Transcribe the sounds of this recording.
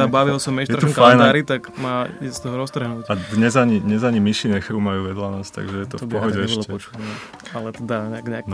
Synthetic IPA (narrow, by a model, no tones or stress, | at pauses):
abaʋilsɔmɛʃjɛɾafajnaɾit̪aɡmaːisst̪ɔɦɔɾɔst̪r̩ɦnuːcad̪ɲɛzaɲiɲɛzaɲimiʃiɲɛxɾuːmajuːʋɛd̪lanast̪a̰ɡʒɛjɛt̪ɔpɔɦɔɟɛɛʃlɛɔt͡ʃuɛ | alɛt̪ɛd̪aɲɛɡɲɛan